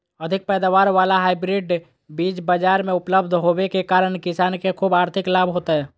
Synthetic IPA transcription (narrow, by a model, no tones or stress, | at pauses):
ɐd̪ʱɪk̚pɛːd̪aːʋaːɾʋaːlaɦaːɪbɾɪɖ | biːt͡ʃbəd͡ʒaːɾmẽʊpləbd̪ʱɦoːwekekaːɾəɽkɪsaːnkekʰuːbaːɾt̪ʰɪklaːbʱɦoːt̪aɦɛː